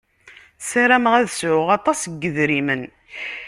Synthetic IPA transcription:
saɾæmʁæðsʕʊʁɑt̪ˤɑsɡːəðɾimən

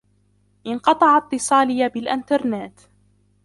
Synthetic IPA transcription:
ʔɪnqɑt̪ˤɑʕɑt̪ːɨsˤɑːlɪjabɪlʔɪnt̪ɑɾˤnaːt̪

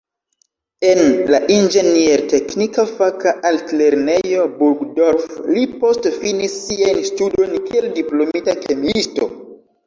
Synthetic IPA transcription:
e̞nlaʔind͡ʒe̞nieɾte̞knikafakaʔaltle̞ɾne̞jo̞buɾɡdo̞ɾflipo̞stfinisːiajnstudo̞jnkie̞ldiplo̞mitakʰemisto̞̰

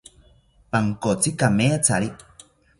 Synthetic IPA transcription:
paŋkot͡sikameat͡saɾiʔ

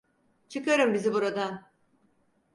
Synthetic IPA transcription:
t͡ʃʰɯkaɾɯmbizibuɾad̪an

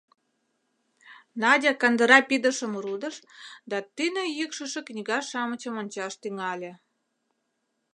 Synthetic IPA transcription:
nɑdʲɑkɑnd̪ə̆ɾɑpid̪ə̆ʃə̆mɾud̪ə̆ʃd̪ɑt̪ynĕjəkʃə̆ʃĕknʲiɣɑʃɑmət͡ɕə̆monʲt͡ɕɑʃt̪yŋɑlʲĕ

